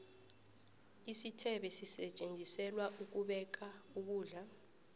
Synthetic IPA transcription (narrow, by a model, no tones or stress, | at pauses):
isitʰɛɓɛsisɛt͡ʃʼend͡zʱisɛlwaʔuk̬uɓɛk̬auk̬uːɮa